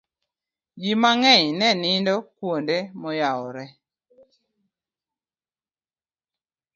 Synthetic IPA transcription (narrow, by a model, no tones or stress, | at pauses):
d͡ʒimaŋɛɲnɛnɪndɔkwondemɔjawɔɾɛ